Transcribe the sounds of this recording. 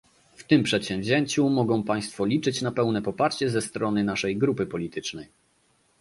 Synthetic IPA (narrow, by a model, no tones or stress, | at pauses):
ft̪ɘmpʂɛt̪ɕɛ̃w̃vʲʑeɲt͡ɕumɔɡɔ̃w̃paj̃st̪fɔlʲit͡ʂɘt͡ɕnapɛwnɛpɔpaɾt͡ɕɛzɛst̪ɾɔnɘnaʂɛjɡɾupɘpɔlʲit̪ɘt͡ʂnɛj